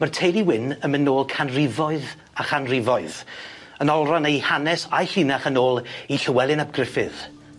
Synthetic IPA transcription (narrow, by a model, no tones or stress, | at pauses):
mərtʰejliwɪnəmɪnoːlˠkʰanrɪvɔɨð | aχanrɪvɔɨð | ənɔlˠranejhanɛsajɬinaχənoːlˠiɬəwɛlˠɪnab̚ɡrɪfɪð̥